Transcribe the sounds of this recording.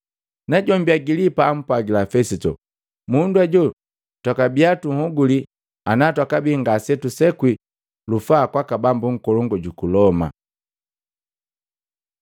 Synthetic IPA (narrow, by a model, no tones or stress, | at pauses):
naɟɔmbiaɡilipaːm̩pwaɡilafɛsitɔ̰ | munduaɟɔ | twakabiatuŋ̩hɔɡuli | anatwakabiŋɡasɛtusɛkwi | lufaːkwakabambuŋ̩kɔlɔŋɡɔɟukulɔma̰